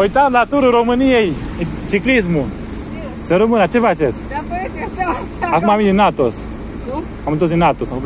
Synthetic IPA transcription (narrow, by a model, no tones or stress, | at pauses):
ojt̪anat̪uɾəɾomɨnijejt͡ʃiklis̬mu | səɾəmɨnat͡ʃevat͡ʃet͡s | akumamid̪inat̪os | amit̪osinat̪osaku